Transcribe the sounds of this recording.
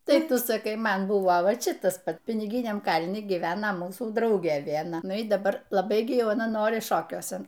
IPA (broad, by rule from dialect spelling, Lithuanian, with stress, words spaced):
tɐɪ ˈtʊ sɐˈkɐɪ ˈmɐn ˈbʊʋoː ˈʋɐ ˈt͡ʃʲɪ ˈtɐs ˈpɐt pʲɪnʲɪˈɡʲɪnʲɛm ˈkɐlʲnʲɪ ɡʲiːˈʋʲæːnɐ ˈmuːsuː ˈdrɐʊɡʲeː ʋʲiɛnˈɐ ˈnʊ iː dɐˈbɐr lˠɐˈbɐɪ ɡʲɪ ˈjɛʊ ɐˈnɐ ˈnoːrʲɪ ˈʃoːkʲuɔsʲɛn